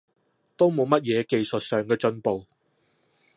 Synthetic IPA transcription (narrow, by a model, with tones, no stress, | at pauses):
t̪o˥wmo˨˧wmɐ˥t̚jɛː˨˧ke˨jsɵ˨t̚sœː˨ŋkɛː˧t͡ʃɵ˧npo˨w